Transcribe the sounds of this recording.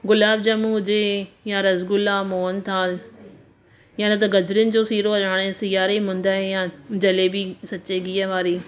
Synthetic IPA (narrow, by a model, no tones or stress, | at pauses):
ɡʊlaːb̚d͡ʑɐmũɦʊd͡ʑejãɾɐzɡʊlaːmoːənt̪ʰaːl | jãnɐt̪̬ɐɡɐd͡ʑɾɪnɪ̆d͡ʑoːsiːɾoɐɾaːɽ̃ẽsijaːɾeɦʊ̃nd̪aːɦejãd͡ʑɐlebɪsɐt͡ɕeɡiːəʋaːɾiː